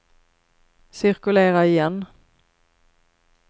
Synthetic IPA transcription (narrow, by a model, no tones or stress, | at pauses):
sɪɾkɵleːɾaɪjɛnː